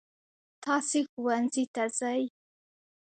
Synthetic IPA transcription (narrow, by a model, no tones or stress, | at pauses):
t̪ʰɑsixuwanzit̪azaj